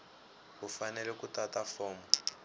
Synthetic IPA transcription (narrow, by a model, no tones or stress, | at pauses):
ɦufanɛlɛkutatafɔːmu